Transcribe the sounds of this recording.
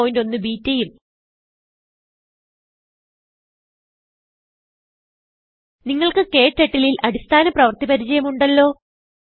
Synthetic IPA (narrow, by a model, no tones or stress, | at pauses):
ojindo̞nːɨbiːtːɐjum | niŋːɐɭkɨke̞ːʈːe̞ʈːililʔɐɾist̪ʰaːnɐprɐʋɐrt̪ipɐɾit͡ɕɐjɐmuɳɖɐlːo̞ː